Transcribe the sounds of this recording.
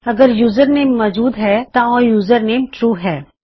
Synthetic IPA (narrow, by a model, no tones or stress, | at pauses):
ɐɡəɾjuːzəɾneːmːɔːd͡ʒuːd̪ɦɛt̪aɔːjuːzəɾneːmʈɾuːɦɛː